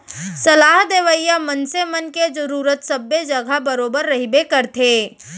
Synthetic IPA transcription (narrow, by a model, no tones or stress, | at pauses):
sɐlaːɦd̪eːʋəjamənsemənked͡ʒəɾuːɾət̪sɐbːed͡ʒɐɡʱabəɾoːbəɾːɐɦibekəɾt̪ʰeː